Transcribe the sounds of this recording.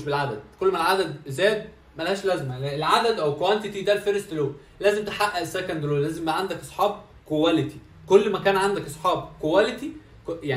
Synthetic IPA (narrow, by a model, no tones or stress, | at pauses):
ʃbelʕad̪æd̪̥̚kolːmælʕad̪æd̪zæːd̪̚ | mælæhæːʃlæzmæelʕad̪æd̪ʔæwkwænt̪et̪id̪ælfeɾest̪low | læːzemt̪eħaʔːæʔsækænd̪lolæːzembæʕand̪ækʔɑsˤħɑːb̚ | kowælet̪i̥ | kolːmækæːnʕand̪ækʔɑsˤħɑːbkowælet̪i | kjaʕ